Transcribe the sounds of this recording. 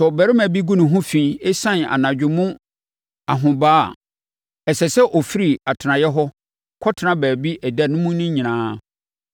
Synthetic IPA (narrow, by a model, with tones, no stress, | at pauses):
sɔ˨bæ˨ɾɪ˦mæ̃˨bi˦ɡũ˦nʊ̃˨ɦʊ̃˦fĩ˨˦˨e˦sã˦n˨a̰˨nã˨d͡ʑᶣʊ̃˨mʊ̃˦ | a˨ɦʊ̃˨ba̰ː˦˨ | ɛ˨sɛ˨sɛ˦ʔɔ˨fi˦ɾi˨a˨tʰɪ˨nã˨jɛ˦ɦɔ˦ | kʰɔ˦tʰɪ˨nã˦bæː˨bi˦ʔɛ˨dæ˦nʊ̃˦mũ˦nʊ̃˦ɲĩ˨nãː˦